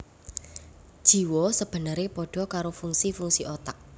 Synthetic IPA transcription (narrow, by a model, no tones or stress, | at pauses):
d̥ʒ̥i̤wɔsəb̥ə̤nəɾepɔɖ̥ɔ̤kaɾofuŋsifuŋsiʔot̪aʔ̚